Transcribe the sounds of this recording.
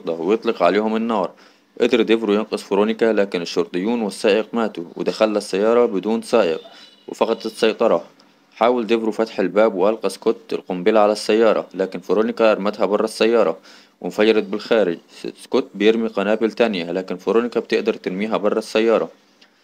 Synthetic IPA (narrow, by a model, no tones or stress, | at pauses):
ɾt̪ˤɑwjɨt̪ˤlɪqʕaleːhʊmɪnːɑːɾˤ | ʔɪd̪ɑɾˤd̪ɪbɾujɪnqɑsˤfʊɾoːnɪkalaːkɪnɪʃːʊɾt̪ˤɨjːuːnwɪsːaːʔɪqmaːt̪uwɪ̰d̪axalːasːajːɑːɾˤɑbɪd̪uːnsaːʔɪq | wɪfɑqɑt̪ˤɪsˤːɑjt̪ˤɑɾˤɑ | ħaːwɪld̪ɪbɾufat̪ħɪlbaːbwʔalqɑskʊt̪ɪ̰lqʊmbɪlaʕalasːajːɑːɾˤɑ̰laːkɪnfʊɾoːnɪkaʔɑɾˤmat̪habɑrˤːɑsːajːɑːɾˤɑ | wʔɪ̰mfajɑɾˤɑt̪̚bɪlxaːɾɪ̰d͡ʒskʊt̪̚bɪjɪɾmiqanaːbɪlt̪anjalaːkɪnfʊɾoːnɪkab̚t̪ɪʔd̪ɑɾˤt̪ɪɾmiːɦabɑrˤːɑsːajːɑːɾˤɑ